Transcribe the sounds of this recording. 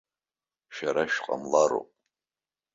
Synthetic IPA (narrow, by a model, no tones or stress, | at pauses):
ʃaɾaʃqʼa̰mlaɾo̰pʼ